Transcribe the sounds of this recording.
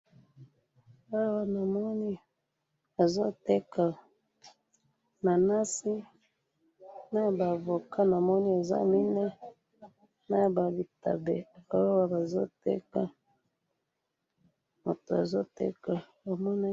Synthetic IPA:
a˦wa˦na˨mɔ˦ni˦ | a˨zo˦tɛ˦ka˨ | na˨na˦si˦ | na˦ba˨vo˨ka˦na˨mɔ˦ni˦a˨za̰˦mi˦nɛ˦ | na˦˨ba˨bi˨ta̰˨bɛ˨a˨˦wa˦wa˦ba˨zo˦tɛ̰˦ka˦ | ma˨to˨a̰˨zo˦tɛ̰˦ka˨ | wa˨mɔ˦na˦

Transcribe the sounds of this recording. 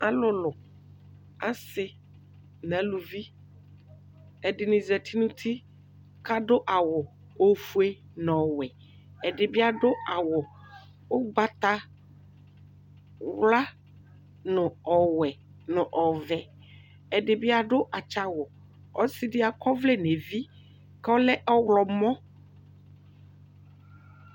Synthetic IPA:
a˦lʊ˨lʊ˨ | a˦sɪ˦ | n˨ã˨lu˨vi˦ | ɛ˨dɪ˨nɪ̃˨zɛ˨t̪ʰi˦nũ˦t̪ʰi˦ | kʰa˦dʊ˦ʔa˨wɔ˨ | o˦fu˦e˦ | n˨ɔ˨wɛ˨ | ɛ˨dɪ˨bɪ˦a˨dʊ˦a˨wɔ˨ | ʊ˦ɡ͡ba˦t̪a˦ | wla˦ | nʊ̃˨ɔ˨wɛ˨ | nʊ̃˨ʔɔ˨vɛ˨ | ɛ˨dɪ˨bi˦a˨ɖʊ˦ʔa˨t͡ʃa˨wɔ˨ | ɔ˦si˦dɪ˦a˨kɔ˦vle˦ne˨vi˦ | kɛ˦ɔ˦lɛ˦ʔɔ˦wlɔ˨mɔ̃˦

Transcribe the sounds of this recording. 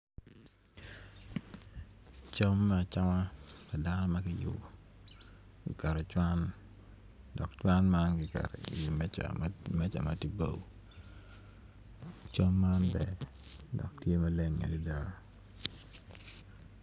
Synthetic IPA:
t͡ʃo˦mːɛ˦a˨t͡ʃa˦wa˦ka˨da˦nɔ˦mɐ˦kɪ˦jṵ˨ | ɡḭ˨kɛ˨ɾo˨t͡ʃwa˦n | dɔ˨kt͡ʃwa˦nma˦nɡi˨kɛ̰˨ɾ̰i˨mɛ˦t͡ʃa̰mɛ˦t͡ʃa̰˨mati˦bo˦w | t͡ʃo˦mːa˦nbɛ˨ | dɔ̰˨k̚tje˦mɐ˦le˦ŋːḛ˨di˦da˨ɾ

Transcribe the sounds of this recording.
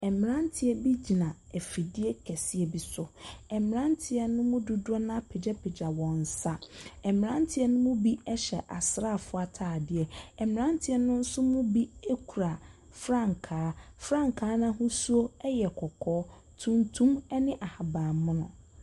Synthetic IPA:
ɛ˨mɪ̃˨ɾã˦n˦tʰɪ˦ɛ˨bi˦d͡ʑi˨nã˨ɛ˨fi˨dɪ˦ɛ˦kʰɛ˨sɪ˦ɛ˦bi˦sʊ˦ɛ˨mɪ̃˨ɾã˦ntʰɪ˨ɛ˦nʊ̃˦mʊ̃˦du˨dʊ˦ɔ˦nã˦pʰe˨d͡ʑɛ˦pʰe˨d͡ʑa˨wɔ̃˨n̩˨sa˦ɛ˨m˨ã˦n˦tʰɪ˦ɛ˦nʊ̃˦mʊ̃˦bi˦ɛ˦ɕɛ̰˨ʔa̰˨sɾa˦˨fʊ˦a˨tʰaː˨dɪ˨ɛ˨ɛ˨mɪ̃˨ɾã˦n˦tʰɪ˨˦ɛ˦nʊ̃˦n̩˦sʊ˦mʊ̃˦bi˦e˦kʰu˨ɾa˨ | fɾã˦˨ŋ˨kʰaː˨˦fɾã˦˨ŋ˨kʰaː˨˦nã˦hʊ̃˦su˦o˦ɛ˦jɛ˨kʰɔ˨kʰɔː˦ | tʰũ˦ntʰũ˦mɛ˦nɪ̃˦ʔa˨ha˨baː˨mʊ̃˦nʊ̰̃˨

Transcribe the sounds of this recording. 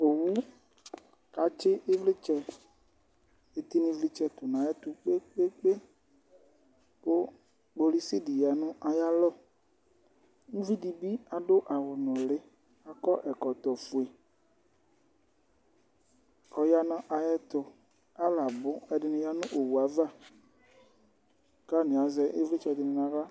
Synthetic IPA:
o˨wu˦ | ka˨t͡ʃɪ˦ʔɪ˦vlɪ˦t͡ʃɛ˦ | e˨t̪i˦nĩ˦vli˦t͡ʃɛ˦t̪ʊ˨nã˨˦ɛ˦t̪ʊ˨k͡pe˦k͡pe˦k͡pe˦ | pʊ˦ | ɡ͡bo˦li˦sɪ˦di˨ja˨nʊ̃˦ʔa˨ja˦lɔ˦˨ | ŋũ˦vi˦di˨bi˦a˨dʊ˦ʔa˨wʊ˨nʊ̃˨lɪ˦ | a˨kɔ˦ʔɛ˨kɔ˨t̪ɔ˨fʊ˨e˨ | ɔ˨ja˦nɔ̃˦ʔa˨jɛ˦t̪ʊ˨ | a˦la˨bʊ˦ɛ˨dɪ˨nɪ̃˨ja˦nʊ̃˦ʔo˨wu˨a˨va˦˨ | ka˦nɪ̃˨a˨˦zɛ˦ʔe˦vɪ˦t͡ʃɔ˨d̪ɪ˨nɪ̃˨nã˨va˦

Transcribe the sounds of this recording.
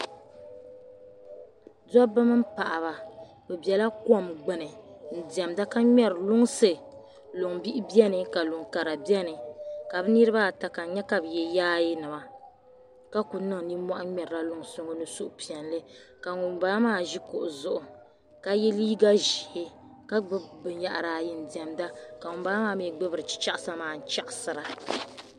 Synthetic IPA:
dɔ˦bɨ˦mɨ˦m̩˦pa˨ʔa˨βa˨ | bɛ˨bɛ˨la˦kɔ˦˨mɡ͡bɛ˨nɨ˨n̩˨di˨ɛ˨mda˦ka˦ɲɛ˦ɾlʊ˦ŋ˦sɨ˨ | lʊ˨ŋbi˦ʔɪ˦bi˦ɛ˦nɨ˨ka˨lʊ˨ŋka˨ɾa˨bi˦ɛ˦nɨ˨ka˨bɨ˦ni˦ɾɨ˦ba˦˨ta˨ka˨˦ɲɛ˦ka˨bɨ˨jɛ˨jaː˦ji˦nɨ˨ma˨ | ka˦ku˨nɨ˦ŋni˦mɔ˦ʔa˦ɲɛ˨ɾla˦lʊ˦ŋsʊ˦ŋo˦nɨ˦sʊ˦ʔʊ˦pi˨ɛ˨nlɨ˦ | ka˨ŋu˨mbaː˦maː˦˨ʒi˦kʊ˨ʔʊ˨zʊ˨ʔʊ˨ | ka˦jɛ˦liː˦ɡa˦ʒi˨hɪ˦ | ka˦ɡ͡bbɨ˨˦ɲa˨ʔɾaː˨jɪ˨n˨di˨ɛ˨mda˦ka˨ŋʊ˨mbaː˦maː˦˨˦mi˨ɡ͡bɨ˦bɾɨ˨t͡ʃi̥˦t͡ʃa˦ʔsa˦maː˨n̩˨t͡ʃa˦ʔsɨ˨ɾa˨

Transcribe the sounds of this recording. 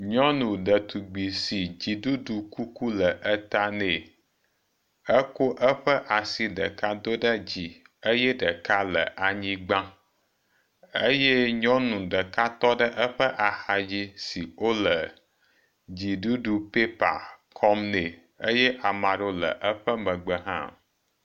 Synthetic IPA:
ɲɔ̃˦nũ˨ɖə˨t̪u˨ɡ͡bi˨si˨d͡ʑi˨ɖu˦ɖu˨ku˦ku˦lə˨ʔə˦t̪a˦ne˨ | ə˦ko˦ʔə˦ɸə˦ʔa˨si˨ɖə̰˨ka˦d̪o˦ɖə˦d͡ʑi˨ | ə˦jɛ˦ɖə˨ka˦lə̰˨ʔa˨ɲĩ˦ɡ͡bã˦ | ə˦jɛ˦ɲɔ̃˦nũ˨ɖə˨ka˦t̪ɔ˦ɖə˦ʔə˦ɸə˦ʔa˨xa˨d͡ʑi˦si˨o˦lə˨ | d͡ʑi˨ɖu˦ɖu˨pe˦pa̰˨kʰɔ˦mne˨ | ə˦jɛ˦ʔa˨mã˨ɖo˦lə̰˨ʔə˦ɸə˦mə̃˨ɡ͡bə˨ɦã̰˦˨

